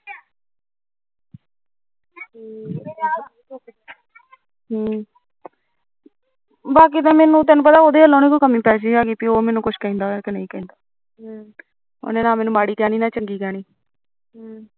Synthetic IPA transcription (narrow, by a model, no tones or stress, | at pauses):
ɦː | baːkiːt̪ẽːmɛːnũːt̪̬ɛːnũːp̬ət̪aːoːd̪eːəlõːnẽːkokəmĩːpɛːs̬aːɡiːpiːoːmɛːnũːkʊʃʰkɛ̃ːnd̪aːkenə̃ĩːkɛ̃ːnd̪aː | o̰ːneːnãːmɛːnũːmaːɽiːkɛːɽ̃iːnaːt͡ʃəŋɡiːkɛːɽ̃iː